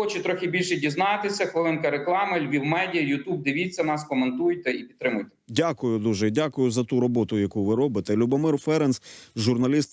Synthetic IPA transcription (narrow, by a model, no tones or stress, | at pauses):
ɔt͡ʃɛt̪ɾɔxʲɪbʲilʲʃɛdʲiznɑt̪ɪsʲɐxʋelˠɛnkɐɾeklˠɑmɐlʲʋʲiwmɛdʲijɐjʊt̪ub̚d̪ɪʋʲit͡sʲːɐnɑskɔment̪ujt̪ɛipʲit̪ːɾɪmʊjt̪ɛ̥dʲakʊjʊd̪uʒɛdʲakʊjʊzɐt̪uɾɔbɔt̪ʊjɐkuʋɪɾɔbɪt̪ɛlʲʊbɔmɪrfɛɾɛnsʒʊrnɐlʲist̪